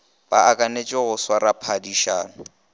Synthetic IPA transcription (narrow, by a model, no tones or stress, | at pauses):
b̥a̰akʼanet͡ʃʼɪɣʊswaɾapʰadiʃaːnʊ